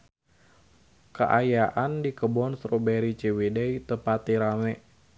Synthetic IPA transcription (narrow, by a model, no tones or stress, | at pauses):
kə̰ʔajaʔandikəbɔnsɾobɛɾit͡ʃewedɛit̪əpat̪iɾamɛʔ